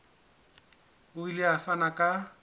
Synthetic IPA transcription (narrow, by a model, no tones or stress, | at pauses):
ʊileafanakʼa